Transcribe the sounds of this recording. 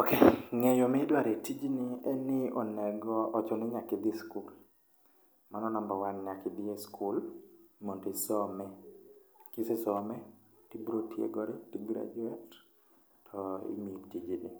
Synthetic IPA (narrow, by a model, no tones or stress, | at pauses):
okeŋɛjɔmɪdwaɾetid͡ʒinɪɛnɪʔɔnɛɡɔʔɔt͡ʃɔnɪɲakɪd̪ɪskul | manɔnambɔwanɲakɪd̪ɪeskʰulmontesɔmɛ | kɪsɛsɔmɛ | tibɾotjḛɡɔɾitiɡɾa̰d͡ʒuɛtːʰ | ɔḭmitid͡ʒiʔɪ